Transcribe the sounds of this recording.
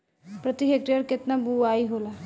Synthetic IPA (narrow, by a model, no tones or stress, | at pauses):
pɾət̪iɦek̚ʈiəɾket̪nabuaiɦola